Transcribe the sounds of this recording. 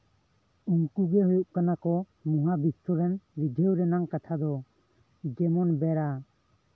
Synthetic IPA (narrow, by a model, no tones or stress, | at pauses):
uŋkuɡɛɦujuʔ̚kanakɔ | mɔɦabist̪ɔɾɛnɾid̪ʱewɾɛnaŋkat̪ʰad̪ɔ | ɡɛmɔnbɛɾa